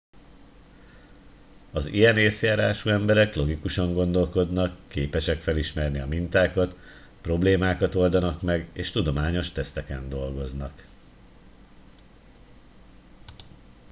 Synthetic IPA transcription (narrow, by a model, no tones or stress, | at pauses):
ɒzḭjɛneːsjaːɾaːʃuɛmbɛɾɛklo̞ɡikuʃɒŋɡo̞nd̪o̞lko̞d̪nɒkːeːpɛʃɛkfɛliʃmɛrniɒmint̪aːkɒt̪ | pro̞bleːmaːkɒt̪o̞ld̪ɒnɒkmɛɡeːʃt̪ud̪o̞maːɲo̞ʃt̪ɛst̪ɛkɛnd̪o̞lɡo̞znɒk